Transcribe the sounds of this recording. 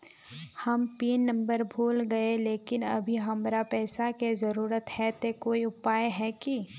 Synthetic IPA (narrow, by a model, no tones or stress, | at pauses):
hɐmpiːnːɐ̃mbəɾbʱuːlɡɐeleːkɪnɐ̰bʱiɦɐmɾapɛːsakezɐɾuːɾət̪hɛt̪ekoːiʊpaːeɦɛki